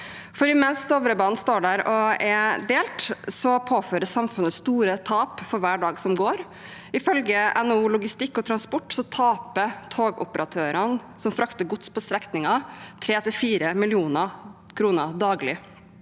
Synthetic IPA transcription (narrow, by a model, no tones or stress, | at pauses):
fɔɾɪmɛnst̪oːʋɾəbɑːnnst̪oːɖæɾɔɛd̪eːlt̪sɔpʰoːføːɾəsɑmfʉnːət̪st̪uːɾət̪ʰɑːpfɔɾʋæːɖɑːɡsɔmɡoːɾ | ɪfœlɡəʔɛ̰nuːlʊɡɪst̪ɪkːɔt̪ʰɾɑnspɔʈːsɔt̪ʰɑːpət̪ʰoːɡʊ̰pəɾɑt̪ʰøːɾən | sɔmfɾʔɑkt̪əɡʊt̪spɔst̪ɾɛkt̪nɪŋɑt̪ʰɾeːt̪ɪlfiːɾəmɪlɪuːnə | kʰɾuːnəd̪ɑːɡlɪ